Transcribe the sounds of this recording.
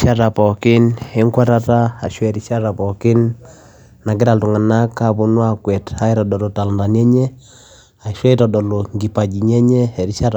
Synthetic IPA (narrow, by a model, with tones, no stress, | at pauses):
ʃa˦ɾa˨pɔ˨kɪ˦nɛ˦ŋkwa˦ɾa˦taː˦˨ʃwɛ˨ɾi˨˦ʃa˦ɾa˨pɔ˨kɪ˦n | na˨ɡi˦ɾa˨ltu˨ŋa˨na˦ka˦bu˦nwa˦kwɛ˨ta˦i˦ɾɔ˨dɔ˨lɔ˨ta˨lnda˨nɛ˦ɲɛ˦ | a˨i˨ʃwɛ˦i˦ɾɔ˨dɔ˨lo˨ŋɡi˨pa˨d͡ʒi˨ɲɛ˦ɲɛ˦ɛ˨ɾi˦ʃa˦ɾ